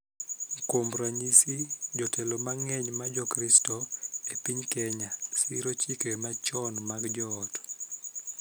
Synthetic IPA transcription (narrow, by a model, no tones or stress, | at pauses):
komɾaɲisid͡ʒɔtʰɛlomaŋɛɲmad͡ʒɔkɾistɔepiɲkɛɲasiɾot͡ʃikemat͡ʃɔnmaɡd͡ʒɔːt